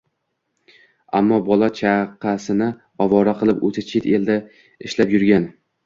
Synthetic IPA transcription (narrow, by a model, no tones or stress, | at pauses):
a̰mːɒbɒlˠat͡ʃʰaqʰɑsɪnɪ | ɒvɒɾaqʰɨlˠɪpot̪ʰɪt͡ʃʰet̪eld̪a | ɪʃlapjʊɾɡʲan